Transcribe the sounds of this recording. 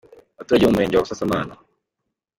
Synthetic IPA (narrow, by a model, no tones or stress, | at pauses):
atuɾaɟoumeːɲɟwakusasamaːna